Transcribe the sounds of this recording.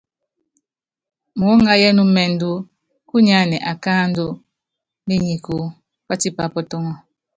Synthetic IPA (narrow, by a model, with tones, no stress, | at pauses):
mu˨ɔ˦ŋa˦jɛ˦nu˦mɛ˨ndu˦ | ku˦ɲa˦nɛ˨ʔa˨kaː˦n˦do˦ | ni˦ɲi˨ku˨ | pa˦ti˦pa˨pɔ˦tɔ˦ŋɔ˦